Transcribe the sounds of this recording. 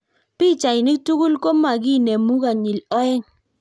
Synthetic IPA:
pi˦˨t͡ʃa˨i˨nɪ˦k̚tu˦ɡu˦lko˦ma˨k̬i˦˨nɛ˨mu˦ka˨ɲi˨lɔ˦ɛ˦ŋ

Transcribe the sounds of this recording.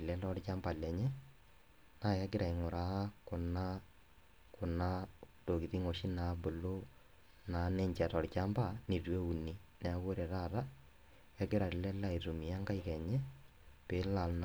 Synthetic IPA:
lɛ˨˦lɔ˦ɾt͡ʃa˦mba˨lɛ˨ɲɛ˦ | na˦ja˦ɡɪ˦ɾa˨i˨ŋʊ˨ɾa˨˦kʊ˨na˦ | kʊ˨na˦to˨ki˨ti˦ŋo˨ʃi˦na˨˦bʊ˨lo˦ | na˨˦nɛ˦ɲt͡ʃa˨tɔ˨ɾt͡ʃa˦mba˦˨ni˨twe˦u˨ni˨nɛ˨˦ɡo˦ɾe˨ɾa˦˨ɾa˦ | ja˦ɡɪ˦ɾa˨ɾɪ˨lɛ˦la˦i˨ɾu˨mi˨a˦ŋɡa˦i˦kɛ˨ɲɛ˦ | pe˨˦la˨ln

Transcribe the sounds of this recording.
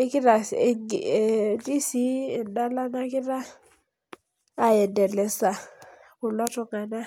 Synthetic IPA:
e˦kɪ˦ɾa˨ŋ˨ | di˦si˦ɛ˨nda˦la˦na˦kɪ˦ɾa˦˨ | ɛ˨dɛ˨lɛ˨sa˨ | kʊ˨lɔ˦tɔ˦ŋa˨na˦

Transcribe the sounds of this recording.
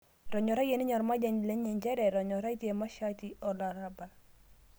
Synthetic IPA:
ɾɔ˨ɲɔ˨ɾa˦ɡe˨ni˦ɲɔ˨ɾma˦d͡ʒɛ˨ɲle˦ɲɛ˨ɲd͡ʒɛ˦ɾɛ˨ɾɔ˨ɲɔ˨ɾa˦i˦tje˨ma˦ʃati˦ɔ˨la˨ɾa˦ba˨l

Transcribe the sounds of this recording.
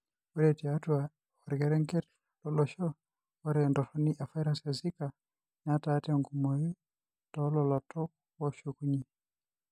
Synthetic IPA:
wɔɾɛti˨atwa | wa˨ɾɡɛ˨ɾɛ˦ŋkɛ˦ɾ | lɔlɔ˨ʃɔ˦ | wɔ˦ɾɛndɔ˨tɔni˦ʔa˨fa˦jɾasɛ˨zi˦ka˨ | ɲa˦taː˦tɛ˦ŋɡu˨mɔ˨ju˦ | tɔlɔlɔ˨tɔ˦ | wɔʃu˨ku˦ɲi˨

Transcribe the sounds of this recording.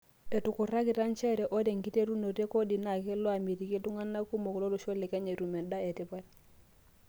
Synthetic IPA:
e˨tu˨ku˨ra˦ki˨ta˦nt͡ʃɛ˦ɾe˨ʔo˦de˨ŋki˦te˦ɾu˦no˨te˦ko˦di˨na˨ke˦lo˦a˨mi˨ti˨ki˦du˦ŋa˦nːa˦ku˦mo˨klo˦lo˨ʃo˦le˨ke˦ɲe˨ɾu˨me˨da˦e˨ti˦pa˦l

